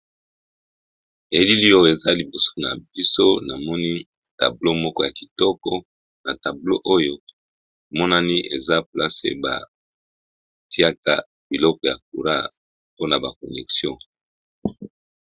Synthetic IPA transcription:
e˨li˦li˦ɔ˦˨e˨za˦li˨bo˨so̥˦na̰˨bi˦so˦na˨mɔ˦ni˦ | ta̰˨blo˦mɔ˦kɔ˦ja˨ki̥˨tɔ˦kɔ˦ | na˨ta˨blo˦ʔo˦jo˦˨ | mɔ˦na˦ni˦ʔe˨za˦pla˦sḛ˨ba̰˨ | ti˦a˦ka˦ | bi˨lɔ˦kɔ˨ja˨k̚u˨ɾa˦ | po˦na˨ba˨ko˨nɛ˨ksjɔ̃˦˨

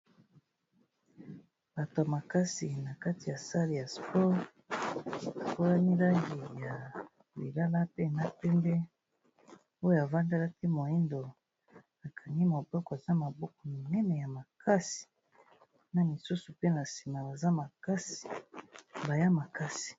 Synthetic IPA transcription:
b̥a˨to˨a˨ma˨ka˦si˨na˨ka˦ti˨ja˨sa˦li˨ja˨spɔ˦ʁ | a˨ko˦la˦ni˦la˦ŋɡi˨ja˨ | lḭ˨la˦la˦pe˦˨na˦pɛ˦mbɛ˦ | o˦jo˨a˨va˦nda˦la˦ki˦mo˨i˦ndo˨ | a˨kʰa˨ni˦mo˨bɔ˦kɔ˨e˨za˦ma˨bɔ˦kɔ˦mi˨ŋɛ˦nɛ˨ja˨ma˨kʰa˦si̥˨ | na˨mi˨su˦su˨pe˦na˨si̥˨ma˨ba˨za˦ma˨ka˦si̥˨ | ba˨ja˦ma˨ka˦si̥˨

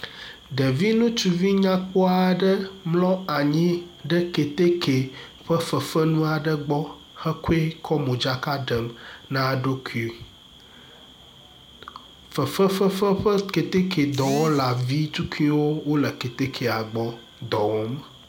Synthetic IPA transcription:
ɖə˨vi˦nũ˦t͡ʃu˨vi˦ɲã˦k͡pɔ˦a˨ɖə˦mlɔ̃˦a˨ɲĩ˦ɖə˦ke˨t̪e˦kʰe˨ | ɸə˦fə˨fə˦nũ˦a˨ɖə˦ɡ͡bɔ˦ | xə˦ku˦e˦kʰɔ˦mõ˨d͡ʒa˦ka˦ɖə˨mnã˦˨ɖo˦ku˦i˦ | fə˨fə˦fə˦fə˦ɸə˦ke˨t̪e˦kʰe˨d̪ɔ˨wɔ˦la˨vi˦t̪u˦kʰu˦i˦wo˦wo˦lə˨ke˨t̪e˦kʰe˨a˨ɡ͡bɔ˦ | d̪ɔ˨wɔ˦m˨

